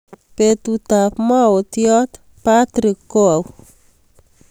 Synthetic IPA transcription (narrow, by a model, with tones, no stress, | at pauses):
pe˨t̪ut̪apmɔ˦o˨t̪jɔ˦t̪ | pat̪ɾi˨kːo˦a˨w